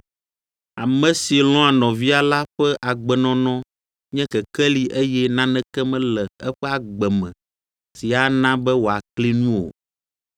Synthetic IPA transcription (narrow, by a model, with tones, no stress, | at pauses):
a˨mɛ̃˨si˨lɔ̃˦a˨nɔ̃˨vi˦a˨la˦ɸɛ˦ʔa˨ɡ͡bɛ˨nɔ̃˦nɔ̃˦ | ɲɛ̃˦kɛ˨kɛ˦li˨ʔe˦jɛ˦nã˦nɛ̃˦kɛ˦mɛ̃˦lɛ˨ɛ˦ɸɛ˦a˨ɡ͡bɛ˨mɛ̰̃˨ | si˨a˨nã˦bɛ˦wo˨a˨kli˦nũ˦o̰˨